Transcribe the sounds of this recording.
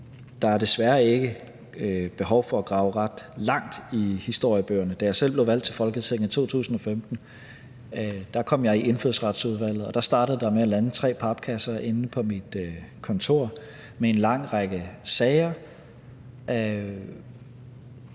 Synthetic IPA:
d̥ɑ̈æɐd̥e̝sʋæɐe̝ɡ̥ə | b̥e̝ɦɒ̽ʊfɒ̽æɡ̥ʁɑ̈ʊəʁɑd̥lɑ̈ŋ̰d̥ihisd̥o̝ɐ̰jəb̥ø̰ːɐnəd̥æjɑ̈ɪsel̰ble̝ʊʋæl̰d̥̚t͡sʰe̝lfɒ̽lɡ̥ət͡sʰin̩ˠt͡sʰo̝̰ːt͡sʰṵːsn̩ɒ̽femd̥n̩ | d̥ɑ̈kʰɒ̽m̰jɑ̈ɪiʔe̝nføð̰ˠsʁɑ̈d̥suðˠʋæl̰ð̞̩ˠɒ̽d̥ɑ̈sd̥ɑ̈ːɾ̥əð̩ˠd̥ɑ̈meælænət͡sʰʁɛ̰ːpʰɑ̈b̥̚kʰæsɐʔe̝nn̩pʰɒ̽mid̥kʰɒ̽nt͡sʰo̝̰ɐ̰ | mee̝nlɑ̈ŋ̰ʁɑ̈ɡ̥əsɛɪɐ

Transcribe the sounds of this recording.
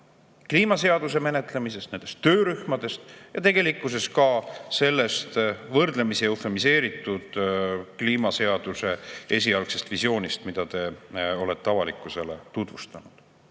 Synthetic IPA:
kliːmɑse̞ɑd̪̥us̬e̞me̞ne̞t̪ˑle̞mise̞st̪nen̥e̞st̪ːø̞ːɾyhmɑd̪̥e̞st̪jɑt̪e̞ɡ̥e̞likˑːus̬e̞skɑse̞lːe̞st̪vɤrd̪̥le̞misiofemise̞ːɾit̪ːˑud̪̥kliːmɑse̞ɑd̪̥use̞e̞s̬ʲiɑlɡse̞st̪visjo̞ːnist̪mid̪̥ɑt̪e̞o̞let̪ːeɑvɑlikːˑuse̞le̞t̪ut̪vust̪ɑnud̪̥

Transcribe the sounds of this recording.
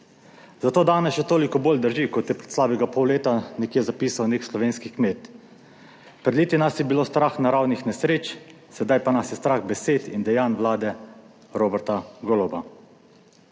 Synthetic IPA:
zat̪oːd̪aːnɛsʃɛt̪oːlikɔboːld̪əɾʒikɔt̪jɛpɾɛt̪slaːbɛɡapɔwleːt̪anɛkjɛzapiːsawnekslɔʋeːnskikmeːt̪ | pɾɛd̪liːt̪inasjɛbiloːst̪ɾaxnaɾawnixnɛsɾeːt͡ʃ | sɛd̪ajpanasjɛst̪ɾaxbɛseːt̪ind̪ɛjaːnʋlaːd̪ɛ | ɾoːbɛɾt̪aɡolɔba

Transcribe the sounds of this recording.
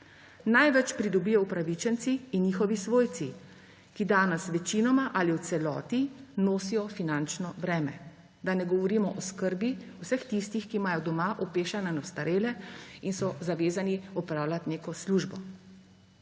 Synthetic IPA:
najʋɛt͡ʃpɾid̪ɔbijɔwpɾaʋit͡ʃɛnt̪siːnjiːxɔʋisʋoːjt̪si | kid̪aːnɛsʋɛt͡ʃinɔmaʔaliwt̪sɛlɔ̰ːt̪inoːsijɔfinant͡ʃnɔbɾɛːmɛ̰ | d̪anɛɡɔʋɔɾiːmɔʔɔskəɾbiuwsəxt̪ist̪ixkimaːjɔd̪ɔmaʔɔpeːʃananɔwst̪aɾeːlɛinsɔzaʋeːzaniɔpɾaːwlʲat̪neːkɔsluʒbɔ

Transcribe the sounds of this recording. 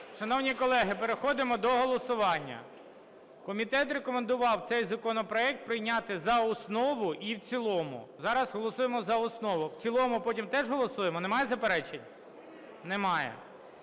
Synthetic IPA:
ʃɐnɔwnʲikɔlˠɛɦɪpeɾexɔd̪ɪmɔd̪ɔɦɔlˠɔsʊʋɑnʲːɐ̰ | kɔmʲit̪ɛt̪ɾekɔmend̪ʊʋɑwt̪sɛjzɐkɔnɔpɾɔɛk̚t̪̚pɾɪjnʲɑt̪ɪzɐɔsnɔʋʊʔiwt͡sʲilˠɔmʊ̰zɑɾɐzɦɔlˠɔsujemɔzɐɔsnɔʋʊwt͡sʲilˠɔmʊpɔtʲimt̪ɛʒɦɔlˠɔsujemɔnemɑjɛzɐpeɾɛt͡ʃenʲ | nɛmɑjɛ̰

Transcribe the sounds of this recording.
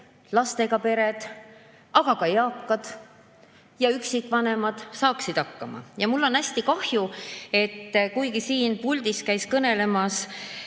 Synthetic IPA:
lɑst̪e̞ɡ̥ɑpe̞ɾe̞d̪̥ | ɑɡ̥ɑkɑjɑːkːɑd̪̥ | jɑyksikːˑvɑne̞mɑd̪̥sɑːksid̪̥ɑkːɑmɑ̰jɑmulːo̞næsʲt̪ikɑhjue̞t̪ːkujɡisiːnpulʲd̪̥iskæjskɤne̞le̞mɑs

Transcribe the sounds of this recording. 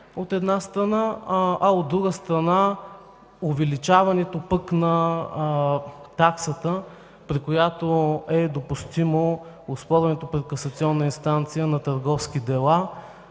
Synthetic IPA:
ot̪ɛd̪nast̪ɾɐnaɐod̪ːɾuɡəst̪ɾɐna | ovɛlit͡ʃavɐnɛt̪opəknɐ | t̪aksət̪ə | pɾikojat̪oɛd̪opust̪imo | ospɔɾvɐnɛt̪opɾɛt̪kɐsɐt̪siɔnːəinst̪ant̪sijənɐt̪əɾɡɔfskid̪ɛlˠa

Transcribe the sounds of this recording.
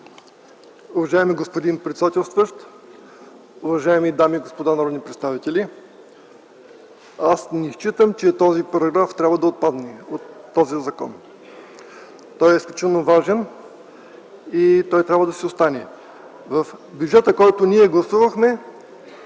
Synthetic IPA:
ʊvɐʒaɛmiɡospod̪inpɾɛt̪sɛd̪at̪ɛlˠst̪vəʃt̪ | ʊvɐʒaɛmid̪amiːɡospod̪anɐɾɔd̪nipɾɛt̪st̪avit̪ɛlʲi | asniʃt͡ʃit̪əmt͡ʃɛt̪ɔzipɐɾɐɡɾaft̪ɾʲabvɐəd̪ɐot̪̚pad̪nɛot̪ːɔzizɐkɔ̰n | t̪ɔjɛisklʲut͡ʃit̪ɛlˠnovaʒɛn | it̪ɔjt̪ɾʲabvəd̪ɐsiost̪anɛ | vɐfbʲjud͡ʒɛt̪əkɔjt̪ʊnʲiɛɡlˠɐsuvəxmɛ

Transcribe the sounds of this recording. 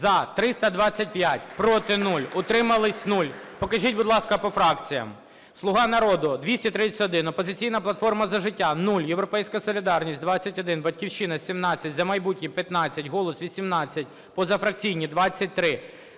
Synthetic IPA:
zɐt̪ɾɪst̪ɐd̪ʋɑt͡sʲːɐt̚ʲpjatʲpɾɔt̪ɪnulʲʊt̪ɾɪmɐlˠɪsʲnulʲpɔkɐʒʲitʲbʊd̪lˠɑskɐpɔfɾɑkt͡sʲijɐ̰m | slˠʊɦɑnɐɾɔd̪ʊd̪ʋʲisʲtʲit̪ɾɪt͡sʲtɔd̪ɪnɔpɔzɪt͡sʲijnɐplˠɐt̪fɔrmɐzɐʒɪtʲːanulʲjewɾɔpɛjsʲkɐsɔlʲid̪ɑrnʲisʲt̚ʲd̪ʋɑt͡sʲːɐtʲɔd̪ɪnbɐt̚ʲkʲiwʃɪnɐsʲimnɑt͡sʲːɐtʲzɐmɐjbutʲnʲipʲjɐt̪nɑt͡sʲːɐtʲɦɔlˠɔsʋʲisʲimnɑt͡sʲːɐt̚ʲ | pɔzɐfɾɐk̚t͡sʲijnʲid̪ʋɑt͡sʲːɐt̚ʲt̪ɾɪ

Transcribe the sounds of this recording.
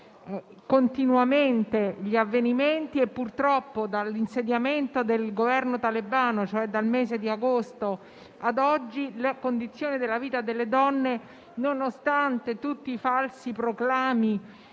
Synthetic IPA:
kont̪inwament̪eʎiavːeniment̪iepːurt̪ɾɔpːod̪alːinsed̪jament̪od̪elɡovɛrnot̪alebaːnot͡ʃoɛd̪almeːzed̪iaɡost̪o | ad̪ɔd͡ʒːilakond̪it̪sːjoːnid̪elːaviːt̪ad̪elːed̪ɔnːe | nonost̪ant̪et̪ut̪ːiːfalsipɾoklaːmi

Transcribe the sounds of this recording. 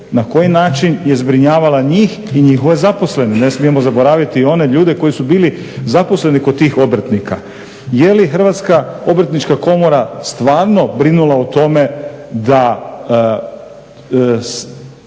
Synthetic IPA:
nako̞jinaːt͡ʃinje̞zbɾiɲaːʋalaɲiːx | iɲixoʋezapo̞sle̞ninesmie̞mo̞zabo̞ɾaːʋjit̪io̞ne̞ʎuːd̪e̞ko̞jisubiːli | zapo̞sle̞nikod̪̚t̪ːiːxo̞bɾ̩ət̪nika | jelixɾ̩ʋat̪skao̞bɾ̩t̪nit͡ʃkako̞mo̞ɾast̪ʋaːɾno̞bɾinulˠaut̪o̞me̞d̪a | s

